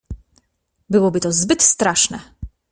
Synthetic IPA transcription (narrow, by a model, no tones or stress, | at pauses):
bɨwɔbit̪ɔzbɪt̪st̪ɾaʂnɛ